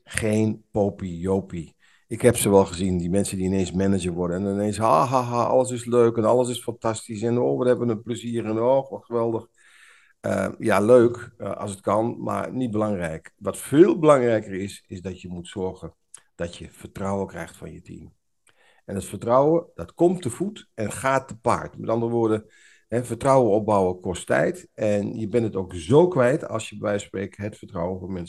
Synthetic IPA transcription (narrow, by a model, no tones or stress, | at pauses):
xeːnpopijoːpi | ɪkhɛpsoʋɛlˠɣəzindimɛnsəndiɪneːnsmɛnəd͡ʒərʋʊdəɛnɪneːnshaɦaɦaʔɔ̰lˠəsɪsløːkɛnɔlˠəs̬ɪsfantastisɛnoːʋəthɛbʋənəpləziərənɔːxʋɔtxəʋɛlˠdəx | ə̰jaløːkʔɑ̰sət̚kɑnma̰ɹnit̚bəlaŋrɛjkʋɔtfeːlˠbəlaŋrɛjkərɪsɪzdɔtjəmutsɔɹɣən | d̥ɔtjəfərtrɔwəkrɛ̰jxtfɔ̰njətʰḭm | ʔɛnətfərtrɔwədɔtkɔmtəfutɛnxaːtəpa̰ɹtmɛtɑndərəʋoːdə | hɛfərtrɔwəɔp̚bawəkʰɔstɛ̰jtɛnjəbɛnətowkzoːkʋɛjtʰɑ̰lˠsjəbbɛjspreːkɦətfəɹtrɔwənfɔnmɛns